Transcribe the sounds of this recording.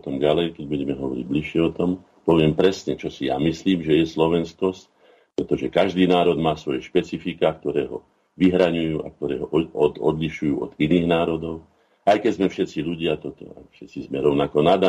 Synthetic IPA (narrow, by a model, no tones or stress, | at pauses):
t̪ɔmɟalɛjkɛɟbuɟɛmɛɦɔʋɔɾḭɟbliʃɪɛɔt̪ɔm | pɔʋɪɛmpɾɛsɲɛt͡ʃɔsija̰misliːmʒɛjɛslɔʋɛnskɔsc | pɾɛt̪ɔʒɛkaʒd̪iːnaːɾɔd̪maːsʋɔjɛʃpɛt͡sifikaːk̚t̪ɔɾɛːɦɔ̰ | ʋiɦɾaɲujuːa̰k̚t̪ɔɾɛ̰ːɦɔʔɔd̪ɔd̪liʃujuːɔ̰d̪iniːɣnaːɾɔd̪ɔʊ | ajkɛɟzmɛfʃɛt͡siʎuɟɪat̪ɔt̪ɔ̰a̰fʃɛt͡sizmɛɾɔʊnakɔnad̪a